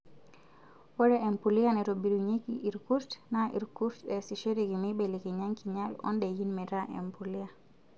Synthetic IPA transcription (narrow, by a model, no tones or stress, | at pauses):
wɔɾɛʔɛmpulianɛɾobiɾuɲikiʔiɾkuɾtnaḭɾkuɾtɛsiʃɛɾikimiɓɛlikiɲaŋkiɲalɔ̰ndɛjinmɛɾaʔɛ̰mpulia